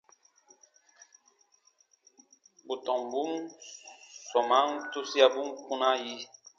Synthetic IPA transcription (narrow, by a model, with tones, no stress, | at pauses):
bu˨tɔ˨m˨bu˦m | sɔ˨ma˦ŋtu˦si˦a˦bu˦mku˦na˦ji˦